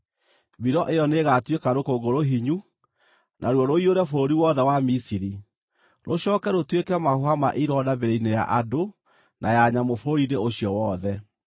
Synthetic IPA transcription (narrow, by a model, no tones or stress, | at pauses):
biɾɔʔejɔneɣatwekaɾokoːɡoɾoɦiɲu | nʔaɾwɔɾoioɾɛfoːɾiwɔðɛwamisiɾi | ɾoɕɔːkɛɾotwekɛmahohama̰ʔiɾɔnabeɾeineja̰ʔado | nʔajaɲamofoɾiɾeoɕiɔwɔðɛ